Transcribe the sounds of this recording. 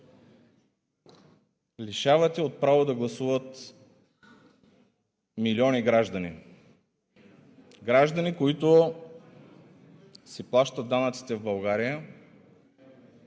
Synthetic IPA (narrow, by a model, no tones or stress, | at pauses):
liʃavət̪ʲɛot̪̚pɾavod̪ɐɡlˠɐsuvət̪ | miliɔniɡɾaʒd̪ɐnḭ | ɡɾaʒd̪ɐnikoit̪o | sɛplˠaʃt̪əd̪anɐt̪si̥t̪ɛvbɐlˠɡaɾijə